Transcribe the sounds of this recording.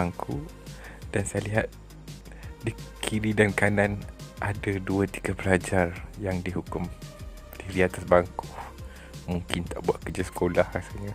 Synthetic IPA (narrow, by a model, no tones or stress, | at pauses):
aŋkʰu | d̥ansajaliɦat̪̚ | dikʰiɾidankananʔadaduət̪i̥ɡabəlad͡ʒarjaŋdiɦukʊm | t̪iɾiat̪asbaŋku | muŋkɪnt̪aʔbuaʔ̪̚kəd͡ʒasə̥kolahkasaɲa